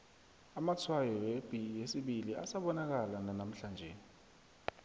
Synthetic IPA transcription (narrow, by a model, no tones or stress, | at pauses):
amat͡sʰwajɔweb̥ʱijesiɓilia̰saɓɔnak̬alananam̩ɬand͡ʒʱɛ̰